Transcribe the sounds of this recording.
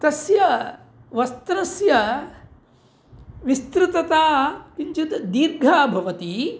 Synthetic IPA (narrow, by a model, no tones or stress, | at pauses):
t̪ɐsjɐ | ʋɐst̪ɾɐsjɐ | ʋist̪ɾut̪ɐt̪aːkiɲt͡ʃut̪d̪iːɾɡʱaːbʱɐʋɐt̪i